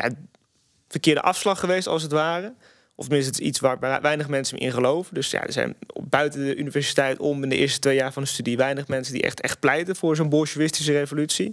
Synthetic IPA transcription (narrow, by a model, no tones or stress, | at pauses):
ja̰ | fəɹkɪːɹdə̰ʔɑfslɑχːəʋejstɑ̰lˠs̬ətʋaːrə | ɔftəmɪnsttɪsḭtsʋaːɹʋɛjnəχmɛnsənʔɪ̰nχəlowvədɵsja̰ːdə̰ɹzɛ̰jnbœɥtəndəʔynivɛɹsi̥tɛjtɔmɪndəʔɪ̰ːɹstətʋejaːɹvɑndəstydiʋɛjnəχmɛnsəndḭʔɛ̰χtɛ̰χt̚plɛjtənvʊːɹzownbɔʃuʋɪstis̬ərejvolytsi